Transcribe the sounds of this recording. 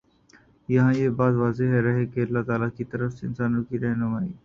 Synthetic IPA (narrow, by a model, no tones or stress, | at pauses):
jɐɦãːjebaːzʋaːzeɦɛɾɐɦekeɐlːat̪aːlakit̪ɐɾəfseɪnsaːnõkiɾɛɦnʊmaːiː